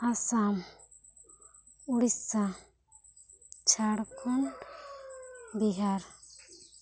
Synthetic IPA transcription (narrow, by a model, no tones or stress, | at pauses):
asam | uɽissa | t͡ʃʰaɽkʰɔn | biɦaɾ